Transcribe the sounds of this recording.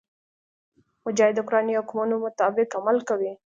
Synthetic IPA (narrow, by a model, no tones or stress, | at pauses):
mʊd͡ʒɑhɪd̪akʊɾɑnihʊkmanomʊt̪ɑbɪkamalkawi